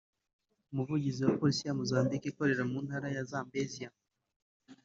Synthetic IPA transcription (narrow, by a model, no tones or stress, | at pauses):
umuvuɟiziwapolisijamuzaːmdikeko̞ɾe̞ɾamuːnhaɾajazaːmbezija